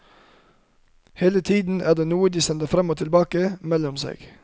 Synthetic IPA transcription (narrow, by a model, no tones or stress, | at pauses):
heːlət̪ʰiːd̪n̩æ̰ːʁd̪eːnuːəd̪iːsɛnd̪əfɾɑmoːt̪ʰɪlbɑːkəmɛlɔmsḛːɡ̥